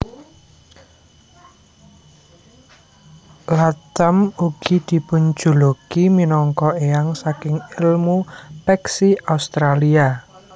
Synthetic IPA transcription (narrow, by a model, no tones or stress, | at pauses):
lat̪amuɡ̥id̪̥i̤pun̥d͡ʒṳlokiminɔŋkɔeaŋsakɪŋɪlmupɛksiaust̪ɾalia